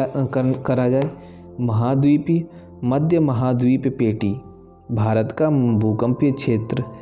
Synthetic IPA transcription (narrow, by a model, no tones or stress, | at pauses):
kɐɾad͡ʒaːe | mɐɦaːd̪uip | mɐd̪ʱjəmɐɦaːd̪ippeːʈi | bʱaːɾət̪kabʱukə̃mpijəkʃʰeːt̪ɾə